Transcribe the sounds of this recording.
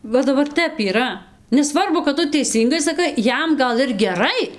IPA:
ˈʋɐ dɐˈbɐr ˈtʲɛp iːˈrɐ nʲɛˈsʋɐrbʊ kɐt ˈtʊ tʲɛɪˈsʲiːŋɡɐɪ sɐˈkɐɪ ˈjɛm ɡɐlˠ ɪr ɡʲɛˈrɐɪ

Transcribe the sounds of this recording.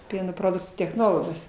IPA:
ˈpʲiɛnoː ˈproːdʊktuː tʲɛxˈnoːlˠoːɡɐs

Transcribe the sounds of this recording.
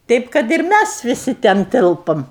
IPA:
ˈtɐɪp kɐt ɪr ˈmʲæs ʋʲɪˈsʲɪ tʲɛn ˈtʲɪlˠpoːm

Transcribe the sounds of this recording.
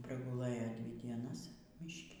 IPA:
prɐɡʊˈlˠɘjoː ˈdʲʋʲɪ dʲiɛˈnɐs ˈmʲiːʃʲkʲɪ

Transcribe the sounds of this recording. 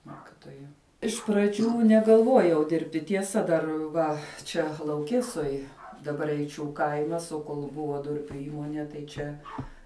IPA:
ˈmoːkʲɪtoːjɛ ɪʃ prɐˈd͡ʒʲuː nʲɛɡɐlˠˈʋuɔjɛʊ ˈdʲɪrʲpʲtʲɪ tʲiɛˈsɐ ˈdɐr ˈʋɐ ˈt͡ʃʲɛ lˠɐʊˈkʲæːsoːj dɐˈbɐr ɛɪˈt͡ʃʲuː ˈkɐɪmɐs oː ˈkoːlˠ ˈbʊʋɐ ˈdʊrʲpʲʊ ˈiːmoːnʲiɛ tɐɪ ˈt͡ʃʲɛ

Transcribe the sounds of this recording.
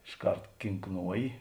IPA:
ɪʃˈkɐrt kʲɪŋˈknuɔjɪ

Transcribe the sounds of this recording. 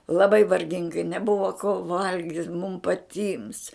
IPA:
lˠɐˈbɐɪ ʋɐrʲˈɡʲɪŋɡɐɪ nʲɛˈbʊʋoː koː ˈʋɐlʲɡʲɪt mʊm pɐˈtʲiːms

